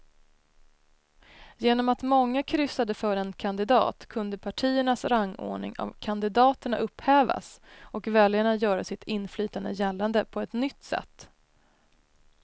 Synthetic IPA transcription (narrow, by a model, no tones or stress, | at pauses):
jeːnɔmat̪mɔŋːakʰɾʏsːad̪əfœːɾɛnkʰand̪ɪd̪ɑ̰ːt̪kʰɵnd̪əpʰaʈʰiːəɳasɾaŋːo̰ːɳɪ̰ŋa̰vkʰand̪ɪd̪ɑːt̪əɳa̰ʔɵpːhɛːva̰sɔkvɛljaɳajœːɾasɪt̪ʰɪnːflyːt̪and̪ə̰jɛlːand̪əpʰɔɛt̪nʏt̪ːsɛ̰t̪ː